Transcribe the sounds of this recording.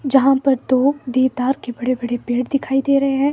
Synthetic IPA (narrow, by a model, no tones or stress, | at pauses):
d͡ʒɐɦãpɐɾt̪od̪eːd̪aːɾkebɐɽebɐɽepeːɽd̪ɪkʰaːid̪eːɾɐɦeɦɛ̃ː